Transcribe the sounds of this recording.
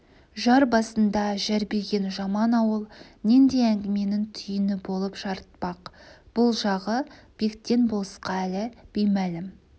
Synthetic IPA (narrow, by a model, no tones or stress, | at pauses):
ʒɑɾbɑsənd̪ɑʒæɾbeɾɡʲe̞nʒɑmɑnɑwəlˠnend̪e̞æŋɡʲɪme̞nɪŋt̪ʰʏjɪnɪbo̞lˠəpʒɑɾət̪̚pɑqb̥ʊlˠʒɑʁəb̥e̞kt̪ːe̞nbo̞lˠəsqɑælɪb̥ejmælɪm